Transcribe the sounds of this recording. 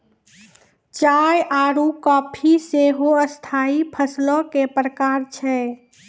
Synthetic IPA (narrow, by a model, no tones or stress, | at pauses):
t͡ʃajaɾukɔpʰiseɦoəst̪ʰaipʰəslɔ̃kepɾəkaɾt͡ʃʰɛ